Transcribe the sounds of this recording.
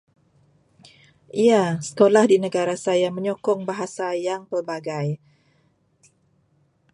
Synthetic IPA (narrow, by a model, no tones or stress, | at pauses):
ijasə̥kolahdinəɡaɾasajaməɲɔkɔŋbaɦasajaŋpərbaɡaj